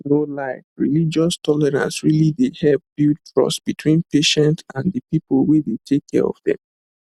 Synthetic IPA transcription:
nolaɪkɹḭlid͡ʒɔstʰɔlɛɹã̰nsɹilidehɛlp̚bild̚fɹɔ̰sb̥itʰwĩnpeʃɛ̃ntãndəpipolwedetʰekʰːɛ̰ɹɔ̰vðɛ̰̃m

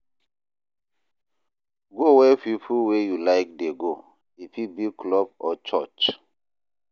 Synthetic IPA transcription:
ɡowɛpipʰuwejulaɪk̚deɡo | ifibikʰlɔbɔt͡ʃɔt͡ʃ

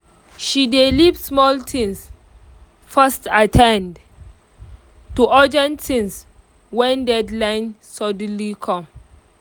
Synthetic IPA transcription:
ʃidelipsmɔltʰĩns | fɛstatʰɛ̃nd | tuʔɔd͡ʒɛ̃ntʰĩns | wɛ̃ndɛdlãɪ̃nsɔdnlikʰɔ̃m

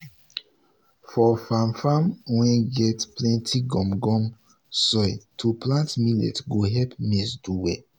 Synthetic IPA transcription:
fɔfãmfãmwɛ̃nɡɛtplɛ̃ntʰiɡɔ̃mɡɔ̃m | sɔjtʰuplãntmilɛ̰tɡoɦɛpmɛsduwɛ

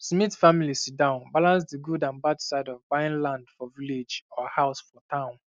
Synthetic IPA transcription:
smitfamilisitdãʊ̃nbalãnsdiɡudãnbadsaɪdɔvbãɪ̃nlãndfɔviled͡ʒɔhaʊsfɔtʰãʊ̃n

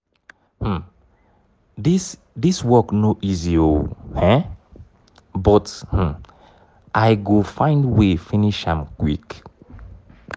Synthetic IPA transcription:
h̩ | dis | diswɔknoʔiziohɛ̃ | bɔthm̩ | ʔaɪɡofãɪ̃ndwefĩniʃãmkwḭk

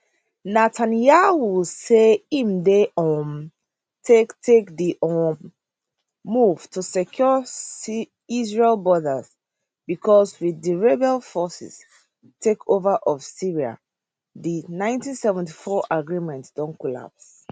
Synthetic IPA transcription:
natʰanjawuseĩmdeʔɔm | tʰektʰekdiʔɔ | muv̥tʰusɛkʰjɔ | izɹelbɔdəz | bikʰɔswiðiɹɛbɛlfɔsḭs | tʰekʰovaʔɔv̥siɹia̰ | dinãɪ̃ntĩnsɛvɛ̃ntifɔʔaɡɹimɛ̃ntd̥ɔ̃nkɔla̰ps

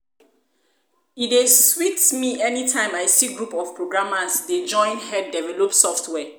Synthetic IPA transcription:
ideswiktmiʔɛnitʰãɪ̃majsiɡɹupɔfpʰɹoɡɹãmasded͡ʒɔ̃ɪ̃nhɛddɛvɛlɔpsɔftʰwɛ

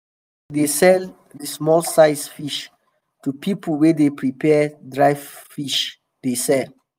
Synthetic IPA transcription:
desɛl | dismɔlsaɪsfiʃ | tupʰipəlwɛdepʰɹipʰɛdɹajvfiʃ | d̥esɛl

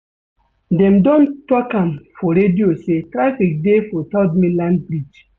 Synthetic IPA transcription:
dɛ̃mdõntɔkãmfɔɾediosetɾafik̚defɔtɔdmĩlãnbɾid͡ʒ

